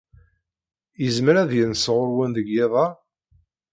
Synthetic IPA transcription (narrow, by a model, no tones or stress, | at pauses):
jəzməɾæðjənsʁʊɾwənðəɡjeðˤɑ